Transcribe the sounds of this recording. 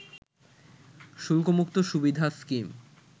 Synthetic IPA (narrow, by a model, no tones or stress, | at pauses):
ʃulkomukt̪oʃubid̪ʱaskim